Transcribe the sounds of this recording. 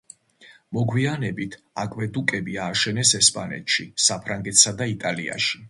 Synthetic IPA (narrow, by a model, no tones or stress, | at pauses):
mɔɡwianɛbit̪ʰ | akʼwɛd̪ukʼɛbiaːʃɛnɛsɛspʼanɛ̰t̪ʰʃisapʰɾaŋɡɛt̪ʰsad̪ait̪ʼalia̰ʃi̥